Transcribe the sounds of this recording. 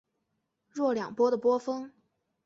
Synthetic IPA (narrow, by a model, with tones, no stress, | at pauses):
ɻwɔ˥˩ljɑ˨˩ŋpwɔ˥d̪ə˨pwɔ˥fɤ˥ŋ